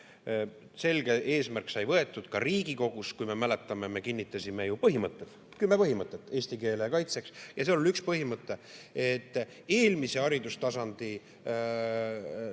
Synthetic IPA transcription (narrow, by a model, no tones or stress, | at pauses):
se̞lɡ̥e̞ʔe̞ːsmærksɑjvɤe̞t̪ːˑud̪̥kɑriːɡiko̞ɡ̥uskujme̞mæle̞t̪ːˑɑmeme̞kinʲːit̪ːˑɑsʲime̞jupɤɦimɤt̪ːˑet̪ | kymːepɤɦimɤt̪ˑːet̪ːˑe̞ːsʲt̪ike̞ːlekɑjt̪se̞ksjɑseoolykspɤɦimɤt̪ˑːe̞e̞t̪ːˑ | e̞ːlmise̞ɑɾid̪ust̪ɑsɑnd̪̥i